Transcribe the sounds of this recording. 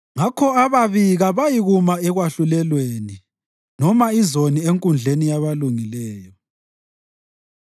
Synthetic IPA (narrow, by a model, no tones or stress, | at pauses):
ŋakʰɔaβaβiɣaβajiɣumaɛɣwaɬulɛlweni | nɔmaizonieŋkʼund͡ɮʱenijaβaluŋilɛːjɔ